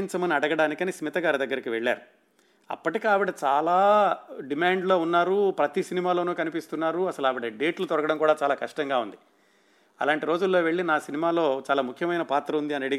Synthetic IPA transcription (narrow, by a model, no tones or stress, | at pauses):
ɲt͡ʃɐmɐniɐɽɐɡɐɽaːnikɐnismit̪ɐɡaːɾɐd̪ɐɡːɐɾikiʋeɭːa̰ːɾu | ɐ̰pːɐʈikiaːʋiɽɐt͡ʃaːlaːɖimaːɳɖlo̞ːunːaːɾupɾɐt̪isinimaːlo̞ːnuːkɐnipist̪unːaːɾuɐsɐluɐːʋiɽɐɖe̞ːʈlut̪ɔɾɐɡɐɽɐmkuːɽaːt͡ʃaːlaːkɐʂʈɐŋɡaːund̪i | ɐ̰laːɳʈiɾo̞ːd͡ʒulːo̞ːʋeɭːinaːsinimaːlo̞ːt͡ʃaːlaːmukʰːjɐmɐjnɐpaːt̪ɾɐund̪iɐnɐɽiɡ